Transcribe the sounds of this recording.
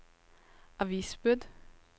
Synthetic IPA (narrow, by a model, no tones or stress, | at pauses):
ʔɑʋiːsbʉd̪